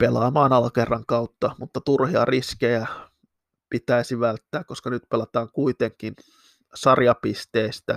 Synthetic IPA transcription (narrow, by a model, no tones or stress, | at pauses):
pelɑ̰ːmɑːnɑlkerɑŋkɑut̪ːɑmut̪ːɑt̪urhiɑ̰riskejæ | pit̪æisiʋælt̪ːæːkkoskɑnyt̪pelɑt̪ɑːŋkuit̪eŋkin | sɑrjɑpist̪eːst̪æ